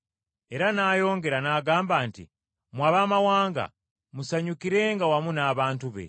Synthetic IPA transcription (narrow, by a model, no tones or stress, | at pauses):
eɾanaːjo̞ːŋɡe̞ɾanaɡaːmbaːntḭ | mwaβamawaːŋɡa̰ | musaɲukiɾeŋɡawamunaːβaːntuβḛ